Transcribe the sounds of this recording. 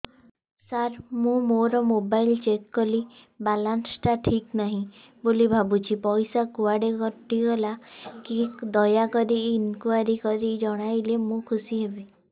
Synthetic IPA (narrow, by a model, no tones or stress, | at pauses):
saɾmũmoɾɔmobailt͡ʃekːɔli | balansʈaʈʰiknaɦĩ | bolibʱabut͡ʃʰipɔjsakuaɽekɔɾt̪iɡɔlakikd̪ɔjakɔɾiːnkuaɾikɔɾid͡ʒɔɽ̃ajlemũkʰusiɦebi